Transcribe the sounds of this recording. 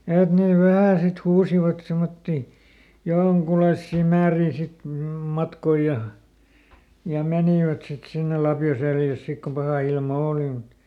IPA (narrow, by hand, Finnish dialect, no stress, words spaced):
et neˑ ʋæhæˑ sit huːsiʋɑt semotːi joŋkulɑisːiˑ mæːriː sit m mɑtkoi jɑ jɑ meniˑʋæt sit sinːe lɑpjo seljæs sik ko pɑhɑˑ ilmɑ oːli mut